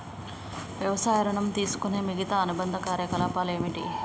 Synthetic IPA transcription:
ʋjɐʋɐsaːjɐɾɐɳɐmt̪iːsu̥kune̞ːmiɡɐt̪aːnubɐnd̪ʱɐkaːɾjɐkɐlaːpaːle̞ːmiʈḭ

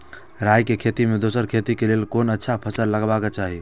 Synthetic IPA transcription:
ɾaːjkekʰeːt̪imẽd̪oːsəɾkʰeːt̪ikeleːlkoːnətːʃʰapʰəsəlːəɡbakat͡ʃaːɦi

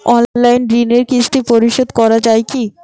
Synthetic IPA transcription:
ɔnlajnɖɾineɾkisʈipoɾiʃod̪kɔɾad͡ʑajki

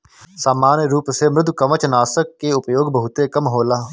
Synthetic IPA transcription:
saːmaːnɾuːpseːmɾɪd̪kəmət͡ʃnaːsəkːeːʊpjoːɡbəɦʊt̪eːkəmɦoːlaː

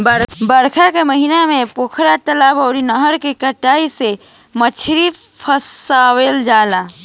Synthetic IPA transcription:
bəɾbəɾkʰakeməɦinamẽpoːkʰɾat̪əlaːbɔːɾinəɦəɾkekəʈaːise | mət͡ʃʰɾi | pʰəsaːweld͡ʒaːla

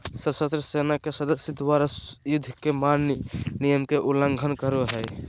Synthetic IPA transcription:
səbsət̪ɾəsenakesəd̪əsit̪ʋaɾəsjud̪ʱkemannijəmkeʔuləŋɡʱənkəɾuɦəj

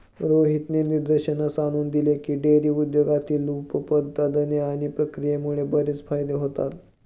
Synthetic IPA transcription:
ɾoɦit̪neniɾd̪əɾɕənasaɽ̃uːnd̪ilekiːɖeɾiːud̪joɡat̪iːlupəpəd̪ːad̪əneaɽ̃ipɾəkɾijemuɭebəɾet͡sfajd̪eɦot̪a̰t̪

